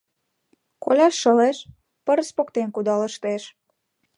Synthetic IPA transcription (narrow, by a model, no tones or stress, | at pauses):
kolʲɑʃːəleʃ | pəɾspokt̪enkud̪ɑləʃt̪eʃ